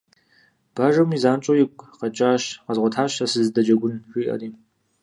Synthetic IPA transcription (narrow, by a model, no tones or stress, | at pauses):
b̥aːʒɐmizaːnt͡ʃʼojɪkʷʼqɐt͡ʃʼaːɕqɐzʁʷɔtʰaːɕɐsɨzdɐd͡ʒɐɡʷʊnɕʷiːʔɐ̰riː